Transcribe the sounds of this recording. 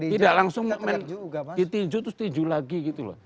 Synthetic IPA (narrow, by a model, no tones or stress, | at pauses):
t̪idaʔlaŋsʊŋmmɛndit̪id͡ʒut̪ʊst̪uɲd͡ʒulaɡiɡit̪ulɔ̰h